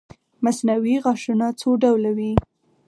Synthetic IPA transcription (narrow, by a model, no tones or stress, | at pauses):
masnawiɣɑʃunat͡soɖawlawi